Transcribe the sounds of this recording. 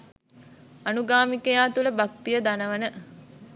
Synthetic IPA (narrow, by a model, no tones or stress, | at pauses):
anuɡaːmikəjaːt̪uləbak̚t̪ijəd̪anəʋənə